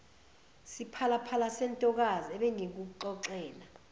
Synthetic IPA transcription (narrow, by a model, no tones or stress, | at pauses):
sipʰalapʰalasɛntʼɔk̬aziɛɓɛŋek̬uǃɔǁɛːla